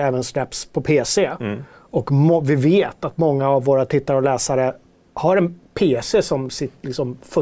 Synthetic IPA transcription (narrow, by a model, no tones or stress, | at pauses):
ɛːvənslɛpspʰɔpʰeːse | ɔkmɔvɪveːt̪at̪mɔŋːaːvːoːɾat̪ʰɪt̪ːaɾɔlɛːsaɾə | haɾɛnpʰeːsesɔmsɪt̪lɪksɔmfɵ